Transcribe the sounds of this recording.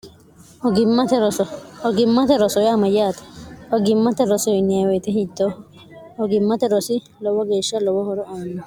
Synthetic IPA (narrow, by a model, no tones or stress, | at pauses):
ɔɡɪmːɐt̪ɛɾɔsɔɔɡɪmːɐt̪ɛɾɔsɔjaːmɐjaːt̪ɐ̥ɔɡɪmːɐt̪ɛɾɔsɔnɪɐwɛt̪ɛhid̪ːɔ | ɔɡɪmːɐt̪ɛɾɔsɪ | lɔwɔɡeːʃːɐlɔwɔhɔɾɔʔaːnːɔ